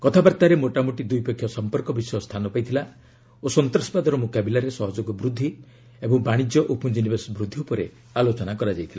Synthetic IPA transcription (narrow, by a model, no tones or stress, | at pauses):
kɔt̪ʰabaɾt̪aɾemoʈamoʈid̪ujpɔkʰjɔsɔmpɔɾkɔbisɔjɔst̪ʰanɔpajt̪ʰila | osɔnt̪ɾɔsɔ̥bad̪ɔɾɔmokabilaɾesɔɦɔd͡ʒoɡɔbɾud̪ʱːi | ebɔŋbaɽ̃id͡ʒjɔʔupund͡ʒinibesbɾud̪ʱːiupɔɾe | alot͡ʃɔnakɔɾad͡ʒajt̪ʰila